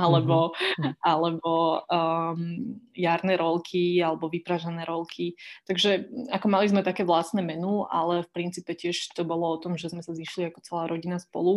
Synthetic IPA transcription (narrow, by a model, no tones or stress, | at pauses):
alɛbɔalɛbɔ | jaɾnɛɾɔlkʰialɛbɔʋipɾaʒanɛːɾɔlkʰit̪aɡʒɛakɔmalizmɛt̪akɛːʋlasnɛmɛnua̰lɛfpɾint͡siːpɛcɪɛʃt̪ɔbɔlɔɔt̪ɔmʒɛzmɛsaziʃliakɔ̥t͡sɛlaːɾɔɟinaspɔ̰lu